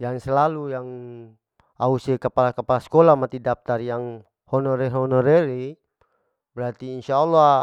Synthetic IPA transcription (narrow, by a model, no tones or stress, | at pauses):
jaŋsɛlalujaŋ | ausɛkapalakapalaskɔlamat̪idap̚t̪arjaŋ | hɔnɔɾɛɦɔnɔɾɛɾi | bɛɾat̪iːnʃaɔlːa